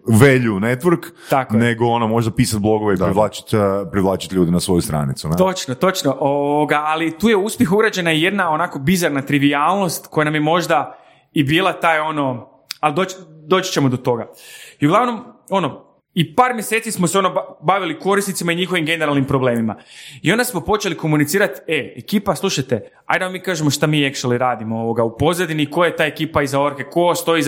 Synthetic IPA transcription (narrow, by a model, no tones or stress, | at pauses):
ʋeʎunet̪ʋɾk | t̪akoneɡoonomo̞ʒd̪apiːsat̪̚blˠo̞ɡoʋeid̪ɾiʋlaːt͡ʃi̥t̪pɾiʋlˠaːt͡ʃit̪lʎuːd̪enasʋo̞just̪ɾa̰ːnit̪sunet̪ot͡ʃnot̪o̞t͡ʃnoʔoʋoɡaalit̪uːjeuspjexuɡɾad͡ʑe̞naije̞d̪nao̞naːko̞bizaɾnat̪ɾiʋiaːlˠno̞st̪ko̞janamjemo̞ʒd̪a | ibiːlˠat̪aːjo̞no̞ | alid̪o̞t͡ʃd̪o̞ːt͡ɕt͡ɕemod̪o̞t̪o̞ɡaiuɡlaʋno̞mo̞no | ipaːɾmjeset̪ismoseo̞nobaʋiliko̞ɾisnit̪simaiɲixo̞ʋimɡe̞ne̞ɾalˠnimpɾoble̞ːmima̰io̞nd̪asmo̞po̞t͡ʃe̞liko̞munit̪siːɾat̪eekiːpaslˠuʃajt̪e | a̰jd̪aʋamiːkaːʒemoʃt̪amiːje̞kʃaliɾaːd̪imoo̞ʋo̞ɡaupo̞zad̪iniːkojajet̪aːekiːpaizaoɾke̞ko̞st̪o̞i